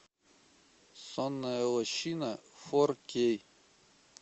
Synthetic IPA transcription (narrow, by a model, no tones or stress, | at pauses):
sɔnːɐjɐlˠɔɕinɐfɔrkʲej